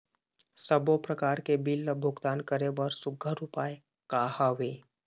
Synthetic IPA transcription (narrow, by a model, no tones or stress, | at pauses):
səbopɾəkaːɾkebɪlːəbʱʊɡt̪aːnkəɾebəɾsʊɡʱəɾʊpaːje | kaːhaʋeː